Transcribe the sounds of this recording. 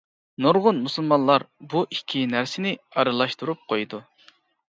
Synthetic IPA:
noɾʁʊnmusulˠmɑnlˠɑɾbuʔikʲʰːinæɾsɪnɪɑɾɨlˠɑʃt̪uɾup̚qʰojd̪u

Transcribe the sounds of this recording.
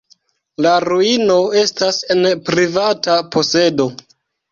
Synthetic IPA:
laɾuino̞e̞stase̞npɾivatapʰo̞se̞do̞

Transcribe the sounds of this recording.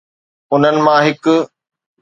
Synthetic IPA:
ʊn̤ənɪ̆mãːɦɪkʊ

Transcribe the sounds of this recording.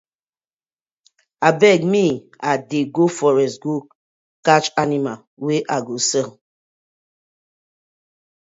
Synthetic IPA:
abɛɡ̚mi | adeɡofɔɾɛsɡu | kat͡ʃanima | weʔaɡosɛl

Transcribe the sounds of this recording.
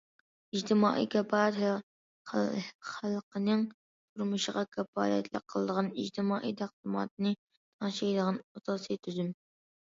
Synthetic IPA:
id͡ʒt̪ʰɪmɑ̰ːʔḭkʰʲɛpɑt̪ | χælˠqʰənɨŋ | t̪ʰuɾmuʃəʁɑkʲʰɛfɑ̰ːlɛ̰t̪ʰlɪqʰːəlˠəd̪əʁɑnid͡ʒt̪ʰɪmɑːʔiːt̪ʰæq̚d̪ɨmɑ̰ːt̪̚ɨnɨ | t̪ʰɑŋʃɛjd̪əʁɑnɑsɑːsit̪ʰyzym

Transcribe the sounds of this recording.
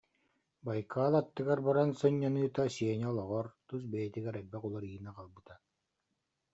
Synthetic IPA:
bajkaːlˠat̪ːɯɡaɾbaɾansɔɲːanɯːt̪asiɛnɛɔlˠɔʁɔɾt̪us̬bɛjɛt̪iɡɛɾɛbːɛqulˠɔɾiːɯnaqalˠbɯt̪a

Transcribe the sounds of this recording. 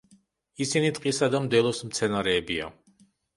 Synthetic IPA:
isinit̪ʼqʼisad̪amd̪ɛlˠɔsmt̪sʰɛnaɾɛːbia̰

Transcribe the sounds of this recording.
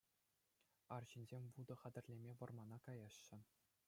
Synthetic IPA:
ɑrʑinʲzʲemʲʋud̪ɤ̆χɑdʲɘ̆rʲlʲemʲeʋɤ̆rmɑnɑkɑjɑɕːɘ̆

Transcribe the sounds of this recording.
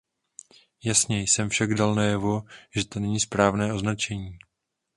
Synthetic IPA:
jasɲɛjsɛmfʃaɡdalnajɛvo̞ʒ̥ɛt̪o̞nɛɲiːspɾaːvnɛːʔo̞znat͡ʃɛɲiː

